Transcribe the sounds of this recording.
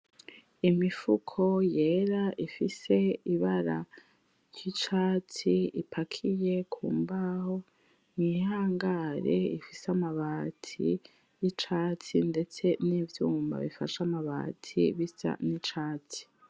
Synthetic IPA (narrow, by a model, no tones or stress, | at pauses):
imifukʰo̞je̞ːɾaʔifise̞iβaɾa | jit͡ʃaːtiipʰakʰije̞kʰuːmbaho | nihaːŋɡaɾḛifisamaβatʰḭ | jit͡ʃaːt͡sinde̞t͡se̞nivjuːmba̰βifa̰ʃamaβa̰ːtʰḭβisa̰nit͡ʃaːti̥